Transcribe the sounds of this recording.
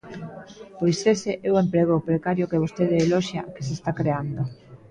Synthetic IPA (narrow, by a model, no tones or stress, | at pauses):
pojseseʔewempɾeɣopɾekaɾjokeβost̪eðeːlɔʃjakesest̪akɾeand̪o